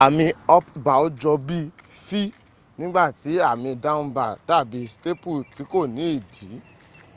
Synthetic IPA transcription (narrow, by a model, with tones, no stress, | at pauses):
a˨mĩ˧ɔ˧pba˨o˦d͡ʒɔ˧bi˦ | fi˦ | nĩ˦ɡ͡ba˦˨ti˨˦a˦˨mĩ˧da˦m̩˦ba˦˨da˦˨bi˨˦ste˦pu˦˨ti˨˦ko˦˨nĩ˨˦i˦˨di˨˦